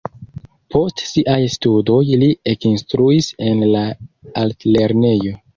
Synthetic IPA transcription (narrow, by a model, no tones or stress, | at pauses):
pʰo̞stsiʔajstudo̞jliekinstɾuise̞nlaaltle̞ɾne̞jo̞